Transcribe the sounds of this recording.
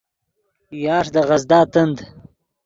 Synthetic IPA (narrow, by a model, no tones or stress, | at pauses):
jɑːʂd̪əʁɐzd̪ɑːt̪ənd̪